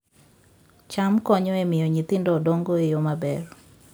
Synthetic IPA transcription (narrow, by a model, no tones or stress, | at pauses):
t͡ʃamkɔɲɔemɪjɔɲit̪ɪndɔdɔŋɡoejomabɛr